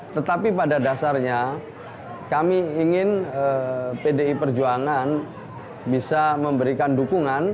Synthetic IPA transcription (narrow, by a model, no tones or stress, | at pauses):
t̪ət̪apipadadasarɲa | kamiːŋɪnəpedeipərd͡ʒuaŋan | bisaməmbəɾikandukuŋan